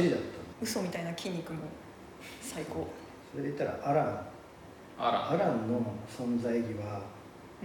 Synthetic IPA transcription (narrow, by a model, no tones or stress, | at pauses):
ɾʲid̪at̪ːãnɯ̟so̞mʲit̪ainakʲĩɲ̟ːikɯ̟mo | saiko̞ː | so̞ɾe̞d̪eit̪ːaɾa̰ʔaɾã | ɾ̰aɾãnnːo̞sõ̞nzaiɡʲiβa